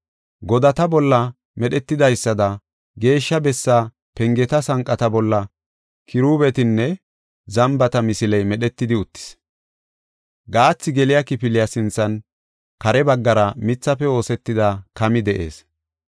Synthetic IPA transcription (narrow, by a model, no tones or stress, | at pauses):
ɡɔd̪ɐt̪ɐbɔlːɐ | mɛɗɛt̪ːɪd̪ɐjsːɐd̪ɐ | ɡe̞ːʃːɐbɛsːa | pɛŋɡɛt̪ɐsɐŋkʼːɐt̪ɐbɔlːɐ | kʰɪɾuːbɛt̪ɪnːɛ | zɐmbɐt̪ɐmɪsɪlɛjmɛɗɛt̪ːɪd̪ɪʊt̪ːɪ̥s | ɡaːt͡sːɪɡɛlɪjakɪpɪlɪjasɪnt͡sːɐn | kɐɾɛbɐɡːɐɾɐmɪt͡sːɐfɛo̞ːsɛt̪ːɪd̪ɐkɐmɪd̪ɛʔe̞̰ːs